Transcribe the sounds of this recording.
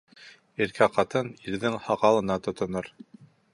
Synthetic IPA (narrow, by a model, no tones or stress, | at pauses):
iɾkʰæqɑt̪ɤniɾðɘŋhɑʁɑlˠɤ̆nɑt̪ŏt̪ŏnoɾ